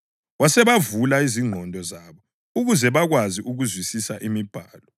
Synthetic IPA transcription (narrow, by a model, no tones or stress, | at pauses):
wasɛβavulaiziŋ͡ǃʱɔndʱɔzaβɔ | uɣuzɛβaɣwaziʔuɣuzwisisaʔimib̥ʱaːlɔ